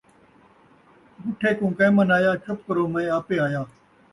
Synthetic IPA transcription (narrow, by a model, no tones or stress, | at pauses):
bʊʈʰeːkũːkẽːmənaːjaːt͡ʃʰəp̚kəɾoːmə̃ẽaːpeːaːjaː